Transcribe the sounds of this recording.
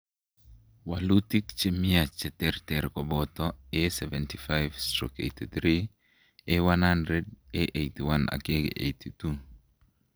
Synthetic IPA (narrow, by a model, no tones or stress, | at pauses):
walutikt͡ʃemiat͡ʃɛt̪ɛrt̪ɛɾkɔbɔt̪ɔesɛvɛntifajvstɾo̰kḛjtit̪ɾi | ewanhandɾedeʔejtiwana̰keɡ̰ʔḛjtitu